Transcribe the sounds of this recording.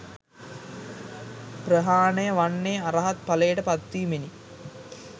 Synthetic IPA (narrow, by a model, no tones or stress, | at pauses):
prəɦaːnəjəʋanːeːaɾɐɦat̪̚palejəʈəpat̪ʋiːmeni